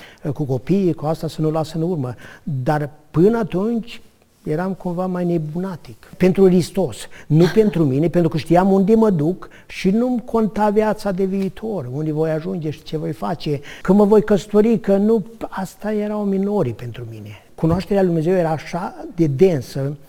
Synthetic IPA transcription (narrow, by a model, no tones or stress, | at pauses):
kuko̞piikuast̪asənulasənurməd̪arpɨnəat̪unt͡ʃʲ | jeɾamkumvamajne̞bunat̪ikpe̞nt̪ɾukɾist̪o̞snupe̞nt̪ɾumine̞pent̪ɾukəʃt̪iamund̪eməd̪uk | ʃinumkʰo̞nt̪avjat̪sad̪e̞viːt̪ʰo̞rund̪evo̞jaʒund͡ʒeʃi̥t͡ʃe̞vo̞jfat͡ʃe̞kəməvo̞jkəst̪oɾikənuast̪ajeɾawmino̞ɾipe̞nt̪ɾumine̞ | kunoaʃt̪eɾeald̪umneze̞wjeɾaːʃad̪e̞d̪e̞nsə